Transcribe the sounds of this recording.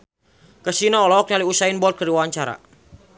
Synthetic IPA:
kəsinɔɔlɔɔk̚naliusainbɔt̪̚kəɾiwawaɲt͡ʃaɾa̰

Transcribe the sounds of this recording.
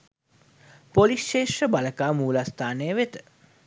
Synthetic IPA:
polisʃeːʃəbaləkaːmuːlast̪ʰaːnejəʋet̪ə̥

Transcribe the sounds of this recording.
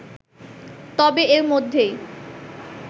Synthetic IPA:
t̪ɔbeeɾmod̪ʱːe

